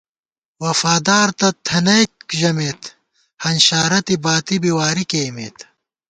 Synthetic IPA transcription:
wɐfaːd̪aːɾt̪ɐt̪ʰɐnɐjk̚ʑɐmeːt̪ | hɐnɕaːɾɐt̪ibaːt̪ibiwaːɾikeːmḛːt̪

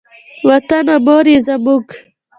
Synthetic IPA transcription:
wɐt̪anamoɾizɐmuk

